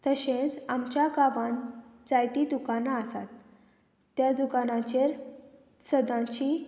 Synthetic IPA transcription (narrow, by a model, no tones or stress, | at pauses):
t̪əɕẽt͡samt͡ɕjaɡaʋãnd͡zajt̪id̪ukanaəsa̰t̪ː | jad̪ukanãt͡ɕeɾ | səd̪ãt͡ɕi